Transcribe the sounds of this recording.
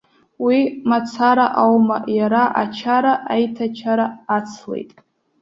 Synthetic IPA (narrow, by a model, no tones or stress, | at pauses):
wimat͡sʰaɾaʔawma̰jaɾaʔat͡ʃʰaɾaʔajtʰat͡ʃʰaɾaːt͡sʰlḛjtʼ